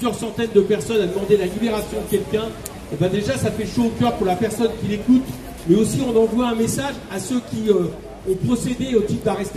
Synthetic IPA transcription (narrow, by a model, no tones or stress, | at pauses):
yzjœʁsɑ̃t̪ɛnd̪əpɛʁsɔnad̪əmɑ̃d̪elalibeʁasjɔ̃d̪əkʲɛlkʲɛ̃ | ebɛ̃d̪eʒasafɛʃoːkʲœʁpuʁlapɛʁsɔnkʲilekut̪ | mɛosiɔ̃nɑ̃vwaɛ̃mesaʒasøkʲiø | ɔ̃pχɔsed̪eot̪ip̚d̪aʁɛst̪